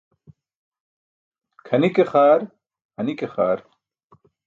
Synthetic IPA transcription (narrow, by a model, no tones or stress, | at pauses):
kʰɐnikexaːɾ | hɐnikexaːɾ